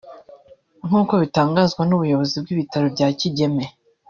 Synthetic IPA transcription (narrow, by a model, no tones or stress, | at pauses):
ŋ̥huːko̞βitaːŋɡaːzɡwanuβujo̞βo̞zib̚ɡiβitaɾobɟaːciɟe̞me̞